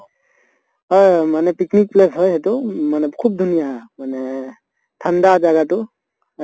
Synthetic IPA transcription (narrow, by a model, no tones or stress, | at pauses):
ɦɔjmanɛpiknik̚plesɦɔjɦɛtʊmanɛkʰub̚dʱunijamanɛ | tʰandazaɡatʊ